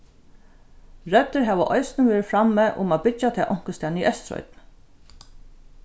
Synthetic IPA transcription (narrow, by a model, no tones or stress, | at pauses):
ɹœt̪ːəɹɦæːʋəʔɔjsnəʋɛːɾɪfɾamːɛːʔʊ̰maːbɪt͡ʃːat̪ʰɛːʔɔŋ̥kəst̪ɛːniʔœst̪ɾɔ̰ʏt̪̚n